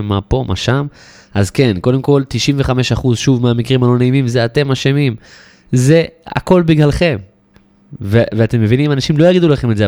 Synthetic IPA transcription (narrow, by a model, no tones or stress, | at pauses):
mːapo̞mʔa̰ʃam | azke̞nko̞de̞mko̞lt̪iʃiɱveχame̞ʃaχuzʃuvmeamikʁimhalo̞neimimzeate̞maʃemim | ze̞a̰ko̞lbiɡlalχe̞m | veveate̞mːe̞vinimanaʃimlo̞jaɡid̪ulaχe̞metze